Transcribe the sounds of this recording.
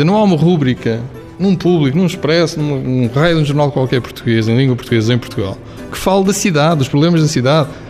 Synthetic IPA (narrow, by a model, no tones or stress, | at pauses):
ɐnɐ̃w̃aumɐʁuβɾikɐ | nũpuβlˠikunũʃpɾɛsnũmɐnũʁɐjðũʒuɾnalˠd̪kwalˠkɛɾpu̥ɾt̪uɣezɐẽj̃lˠĩŋɡwɐpuɾt̪uɣezɐẽj̃puɾt̪uɣa̰lˠ | kɨ̥falˠd̪ɐsiðaðd̪uʃpɾuβlˠemɐʒðɐsiðað